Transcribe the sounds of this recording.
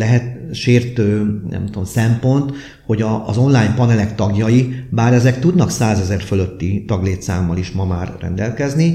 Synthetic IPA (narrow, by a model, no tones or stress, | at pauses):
lɛɦɛt̪ʃeːrt̪øːnʔɛ̰mt̪uo̞msɛmpo̞nt̪ | ho̞ɟɒːzo̞nlaːjmpɒnɛlɛkt̪ɒɡjɒjibaːɾɛzɛkt̪ud̪nɒksaːzɛzɛrfølø̞t̪ːit̪ɒɡleːt̪saːmːɒliʃmɒmaːrːɛ̰nd̪ɛlkɛzni